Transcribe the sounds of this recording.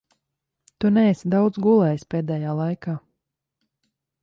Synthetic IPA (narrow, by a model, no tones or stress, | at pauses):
t̪unɛːsd̪awd̪zɡulˠɛjspeːd̪ɛːjaːlˠajkaː